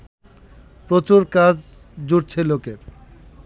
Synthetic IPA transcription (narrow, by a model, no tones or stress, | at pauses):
pɾot͡ɕuɾkad͡ʑ | d͡ʑuɾt͡ɕʰelokeɾ